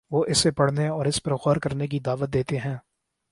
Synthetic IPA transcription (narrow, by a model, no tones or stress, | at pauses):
ʋoːʔɪsːepɐɽ̤neɔːɾɪspɐɾɣɔːɾkɐɾnek̬id̪aːʋət̪̚d̪eːt̪eɦɛ̃ː